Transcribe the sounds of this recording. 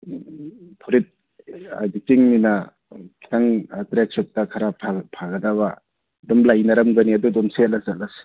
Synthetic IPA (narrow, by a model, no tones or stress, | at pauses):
pʰɔɾit̚ | a̰jditiŋmina | kʰi̥tʰaŋtɾek̚sɔt̚takʰaɾapʰapʰaɡɐdaba | dɔmlajnaɾamɡɐniadudɔmselasalas